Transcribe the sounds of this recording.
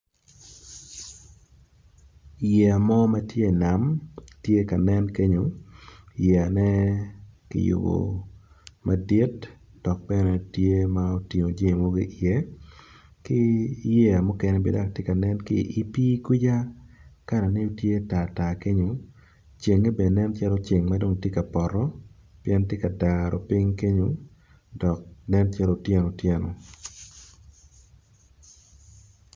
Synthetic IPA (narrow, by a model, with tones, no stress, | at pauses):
jɛ˨a˨mɔ˦ma˦tje˦˨na˨mtje˦ka˨nɛ˦nke˦ɲo˨ | jɛ˨a˨nɛ˦ | kɪ̰˨jo̰˨bo̰˨ | ma˨di˦t | d̥ɔ˨k̚bɛ˦nɛ˦tje˦ma˦o˦ti˨ŋo˨d͡ʒe˦˨mo˦ɡi˦ʔjɛ˦ | kɪ˦je˦a˨mʊ˦kɛ˦nɛ˦bḛ˨da˦˨k̚tje˦ka˨nɛ˦nkɪ̰˦˨ʔi˦pi˦kwi˦d͡ʒa˦ka˦ɾa˨ne˦o˦tje˦ta˨ta˨ke˦ɲo˨˦ | t͡ʃe˨ŋe˦be˨nɛ˦nt͡ʃa˦ɾo˦t͡ʃe˨ŋma˦do˦ŋtje˦ka˨pɔ˨ɾɔ˦ | pjɛ˦ntje˦ka˨da˨ɾɔ˨pɪ˦ŋke˦ɲo˦ | dɔ˨k̚nɛ˦ntja˦ɾo˦tje˦no˨tjɛ˦no˨